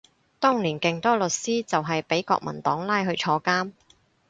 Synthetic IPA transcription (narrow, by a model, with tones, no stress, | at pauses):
t̪ɔː˥ŋliː˨˩nkɪ˨ŋt̪ɔː˥lɵ˨t̚siː˥t͡sɐ˨wɦɐ˨jpe˨˥jkɔ̰ː˧k̚mɐ̰˨˩nt̪ɔː˨˥ŋlaː˥jɦɵ˧t͡ʃʰɔː˧kaː˥m